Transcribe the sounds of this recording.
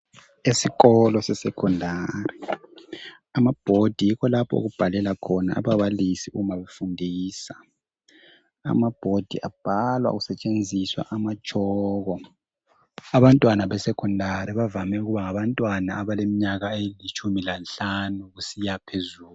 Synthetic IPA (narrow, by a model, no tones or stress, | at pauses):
esiɣɔlɔsɛsɛkʰɔndʱari | amab̥ʱod̥ʱijikʰɔlapʰɔ̰o̰ɣub̥ʱalɛlakʰɔna̰ʔa̰βaβalisiuɣumaβefundʱiːsa | a̰mab̥ʱod̥ʱḭʔa̰b̥ʱalwa̰ɣusɛt͡ʃʼend͡zʱiswa̰ʔamad̥ʒ̥ʱɔɣɔ | aβantʼwanaβɛsɛkʰɔndʱaɾiβavamɛuɣuβaŋaβantʼwanaːβalemiɲaɣaelit͡ʃʰʼumilanɬanuɣusijapʰezuːl